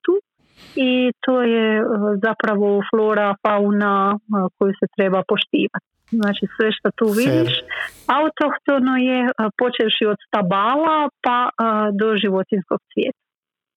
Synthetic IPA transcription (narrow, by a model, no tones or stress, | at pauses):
t̪u | it̪o̞ːjezapɾaʋo̞flˠo̞ːɾafaunako̞juset̪ɾe̞bapo̞ʃt̪iːʋat̪ | znaːt͡ʃisʋe̞ʃt̪at̪uːʋid̪iʃaut̪oxt̪o̞nojepo̞t͡ʃeʃiod̪st̪abaːlapad̪o̞ʒiʋo̞t̪inskoɡ̚sʋjeːt̪ḁ